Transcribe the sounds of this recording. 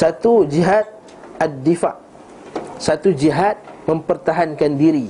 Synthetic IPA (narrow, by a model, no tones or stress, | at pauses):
sat̪ud͡ʒiɦat̪̚ | ad̪ːifaʔ | sat̪ud͡ʒiɦat̪̚məmpərt̪aɦankandiɾi